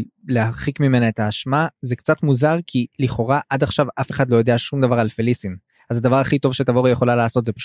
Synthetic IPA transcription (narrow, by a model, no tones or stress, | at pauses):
leaχikmime̞naetaːʃmazekt͡sat̪muzaʁkʰiliχo̞ʁaʔad̪aχʃavafe̞χad̪lojo̞d̪eaʃumd̪avaʁalfelisim | azad̪avaʁaχit̪o̞vʃetavo̞ʁijeχo̞lalaːso̞t̪zepaʃ